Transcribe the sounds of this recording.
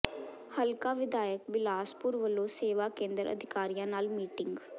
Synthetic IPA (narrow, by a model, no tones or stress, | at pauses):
həlkãːʋɪd̪aːjəkbɪlaːspʊɾʋəlːõːseːʋaːkẽːnd̪əɾʔə̰d̪ʱɪkaːɾijãːnaːlmiːʈɪŋɡ